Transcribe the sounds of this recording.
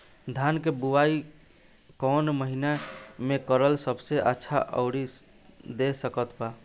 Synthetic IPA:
d̪ʱankebuwai | kɔnməɦinamekəɾəlsəbseʔətːʃʰaʔə̰ʊɽi | d̪esəkət̪ba

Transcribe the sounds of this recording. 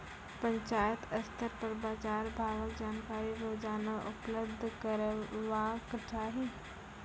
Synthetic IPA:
pə̃ɲt͡ʃaːjət̪ɐst̪əɾpəɾbaːt͡ʃaːɾbʱaːʋəkd͡ʒaːnkaːɾiɾoːd͡ʒaːnaʔʊpləb̚d̪ʱkəɾʋakəʈʰaːɦiː

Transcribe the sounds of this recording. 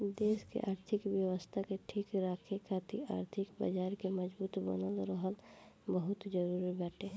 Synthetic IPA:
d̪eːskḛʔaːɾt̪ʰɪkʋjəwəst̪ʰakeʈʰiːkɾaːkʰekʰaːt̪ʰḭa̰ːɾt̪ʰɪkba̰d͡ʒaːɾkemɐd͡ʒbuːt̪bə̰nəlɾəɦəlbəɦʊt̪d͡ʒəɾuːɾibɛːʈʰeː

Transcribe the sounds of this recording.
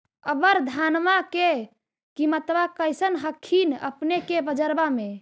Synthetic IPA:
əbəɾd̪ʱanmake | kimət̪bakəjsənɦəkʰːinə̰pnekebəd͡ʒəɾbame

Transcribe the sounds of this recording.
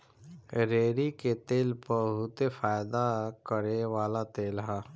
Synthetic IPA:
ɾeːɾiket̪eːlpəɦut̪efaːjd̪akəɾeʋaːlat̪eːlɦa

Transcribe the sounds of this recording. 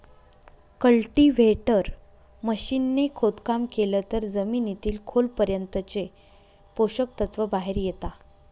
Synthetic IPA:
kəlʈiʋeʈəɾ | məɕinːekʰot̪kamkelət̪əɾd͡zəminit̪iːlkʰolpəɾjənt̪ət͡se | poɕək̚t̪ət̪ʋəbaɦeɾjet̪a

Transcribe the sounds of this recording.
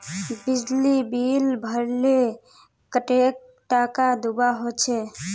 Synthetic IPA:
bid͡ʒlibilbʱəɾle | kəʈek̚ | ʈakad̪ubaɦot͡ʃʰɛ

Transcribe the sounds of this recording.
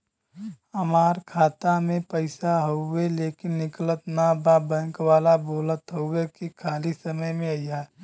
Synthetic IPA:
ɦəmaːɾkʰaːt̪amẽpəɪsaɦoeleːkɪnːɪklət̪nababə̃ŋkʋaːlaboːlət̪ɦoʊekikʰaːlisəməjmẽəia

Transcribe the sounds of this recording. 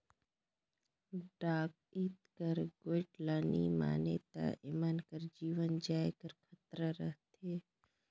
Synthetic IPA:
ɖaːk̚ | iːt̪kəɾɡoːɪʈlaːnḭma̰ːnet̪a̰ʔɪmənkəɾd͡ʒiːʋənd͡ʒaːjkəɾkʰɐt̪ɾəɾəɦt̪ʰeː

